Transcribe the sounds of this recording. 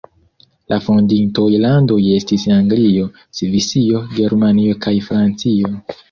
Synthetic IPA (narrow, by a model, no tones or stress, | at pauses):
lʔafondintojlando̞je̞stisnaŋɡlio̞ | sivisio̞ɡe̞ɾmanio̞kʰajfɾant͡sio̞